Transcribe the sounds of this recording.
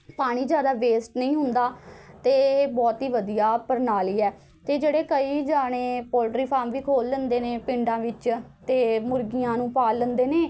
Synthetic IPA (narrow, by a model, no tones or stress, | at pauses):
paːɽ̃iːd͡ʒjaːd̪aːʋeːsʈnəĩːɦʊnd̪aːt̪eːbɔːt̪iːʋəd̪ijaːpəɾnaːliːɛː | t̪eːd͡ʒeːɽeːkəiːd͡ʒaːɽẽːpɔːlʈɾiːpʰaːmʋiːkʰoːlːənd̪eːneːpɪɳɖãːʋɪt͡ʃt̪eːmʊɾɡijãːnũːpaːlːənd̪eːneː